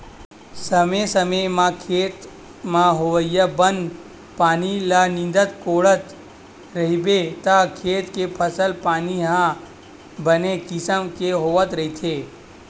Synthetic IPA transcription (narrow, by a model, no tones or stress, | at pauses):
səmesəmemãkʰeːt̪ | mãɦoʋəjəbən | paːnilanɪ̃nd̪ət̪koːɽət̪ | ɾəɦibet̪akʰeːt̪kepʰəsəlpaːniɦã | bənekɪsəmkeɦoʋət̪ɾəit̪ʰe